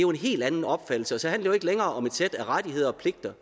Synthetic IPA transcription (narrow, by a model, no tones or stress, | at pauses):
joe̝nɦe̝̰ːld̥ænn̩ɒ̽b̥fæd̥l̩səɒsɒ̽hænlḛːʊe̝ɡ̥leŋɐːɒ̽me̝d̥sed̥æʁad̥iɦe̝ð̞ˠɐɒ̽pʰle̝ɡ̥̚d̥ɐ